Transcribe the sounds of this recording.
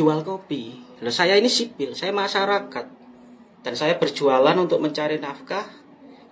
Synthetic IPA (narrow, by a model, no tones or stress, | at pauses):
ualkopilɔsajainisipɪlsajamaʃaɾakat̪̚ | d̥ansajab̥ərʒ̥ualanunt̪ʊk̚məɲt͡ʃaɾinafkah